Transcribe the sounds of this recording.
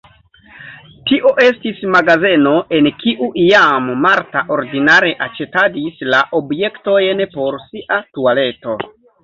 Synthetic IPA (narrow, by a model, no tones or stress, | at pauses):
tiʔo̞ʔe̞stismaɡaze̞no̞ʔe̞nkiʔuʔijamːaɾtaʔo̞ɾdinaɾe̞ʔat͡ʃe̞tadislaʔo̞bje̞kto̞jnpo̞ɾsiʔatuale̞to̞